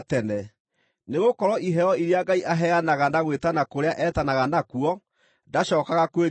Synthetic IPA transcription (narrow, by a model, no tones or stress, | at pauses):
tɛnɛ | neɣokɔɾɔiɦɛɔiɾeaɡaiʔaɦɛanaɣanaɣwetanakoɾeaʔɛtanaɣanakuɔ | ndaɕɔːkaɣakweɾ